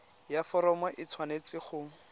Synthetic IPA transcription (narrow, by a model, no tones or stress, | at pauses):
jafɔɾɔmɔʔɪt͡sʰwanet͡sɪχʊ